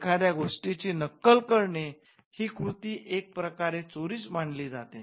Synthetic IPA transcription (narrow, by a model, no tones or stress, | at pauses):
kʰad̪jaɡʱoʂʈit͡ɕiːnəkːəlkəɾɳe | hiːkɾut̪iːʔek̚pɾəkaɾet͡soɾiːsmaɳliːd͡zat̪ḛ